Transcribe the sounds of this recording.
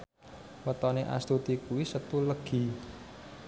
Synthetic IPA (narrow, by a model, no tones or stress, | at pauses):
wət̪ɔneʔa̰st̪ut̪ikuwisət̪uləɡ̥i̤